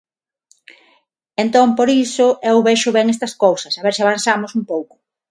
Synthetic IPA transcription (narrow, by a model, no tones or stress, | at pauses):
ent̪õmpoɾisʊʔewβeʃʊβɛŋest̪ɐskowsɐsaβeɾsiaβan̟θamosumpowkʊ̥